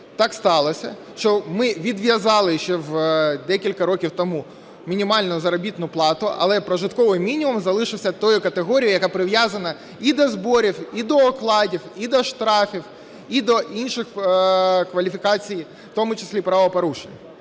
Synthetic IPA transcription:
t̪ɑkst̪ɑlˠɔsʲɐ̰ | ʃt͡ʃɔmɪʋʲid̪ʋʲjɐzɑlˠɪʃt͡ʃːɛwd̪ɛkʲilʲkɐɾɔkʲiwt̪ɔmu | mʲinʲimɑlʲnʊzɐɾɐbʲit̪nʊplˠɑt̪ʊʔɐ̰lˠɛpɾɐʒɪt̪kɔʋɪjmʲinʲimʊmzɐlˠɪʃɪwsʲɐt̪ɔjʊkɐt̪eɦɔɾʲijjɐkapɾɪʋjazɐnɐ | id̪ɔzbɔɾʲiwid̪ɔːklˠɑdʲiwid̪ɔʃt̪ɾɑfʲiw | id̪ɔʔinʃɪx | kʋɐlʲifʲɪkɑt͡sʲij | wt̪ɔmʊt͡ʃɪsʲlʲipɾɑʋɔpɐɾuʃenʲːɐ

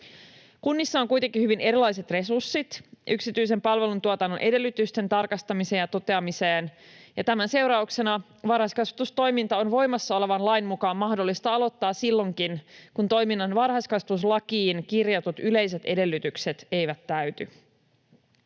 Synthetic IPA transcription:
kunːisːɑoŋkujt̪eŋkːihyʋine̞ɾilːɑjset̪re̞sursːit̪ʔyksit̪yijse̞mpɑlʋe̞lunt̪uot̪ɑnːo̞nʔe̞de̞lːyt̪yst̪e̞nt̪ɑrkɑst̪ɑmise̞ːnjɑt̪o̞t̪e̞ɑmiseːnjɑt̪æmænse̞wɾɑukse̞nɑ | ʋɑrhɑskɑsʋɑt̪ust̪o̞jmint̪ɑo̞nʋo̞jmɑsːɑo̞le̞ʋɑnlɑjnmukɑːmmɑhdo̞lːist̪ɑɑlo̞t̪ːɑːssilːo̞ŋkinkunt̪o̞jminːɑnʋɑrhɑskɑsus̬lɑkiːnkirjɑt̪ut̪yle̞js̬e̞t̪e̞de̞lːyt̪ykset̪e̞jʋæt̪ːæyt̪y

